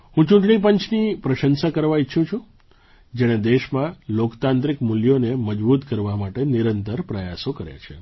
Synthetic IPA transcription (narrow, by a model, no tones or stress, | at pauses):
ɦũt͡ʃũʈɳ̃ip̬əɲt͡ʃnipɾəʃənsakəɾʋaitːʃʰũt͡ʃʰũ | d͡ʒeɽ̃ed̪eʃmãlokt̪ãnt̪ɾikmuljoneməd͡ʒbut̪kəɾʋamaʈeniɾənt̪əɾpɾəja̰sokəɾja̰t͡ʃʰḛ